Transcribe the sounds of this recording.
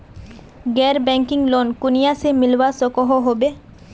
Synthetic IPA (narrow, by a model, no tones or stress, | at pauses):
ɡɛɾbɛŋkiŋlonkunijasemilʋasɔkɔɦɔɦobe